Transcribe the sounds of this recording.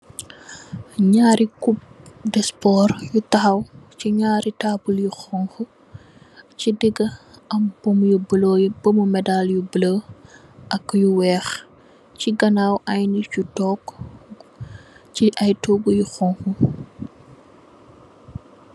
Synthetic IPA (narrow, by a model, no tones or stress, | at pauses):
ɲaːɾikup̚dɛspɔːrjutɐxɐwciɲaːɾitaːbuljuxɔŋxu | cidɛɡɐɐmb̥omjublɔjb̥əmumɛdaljubələ | ʔɐkːjuwɛːx | ciɡɐnaːwʔɐjnicutɔːk | ciʔɐjtoːɡujuxɔŋxu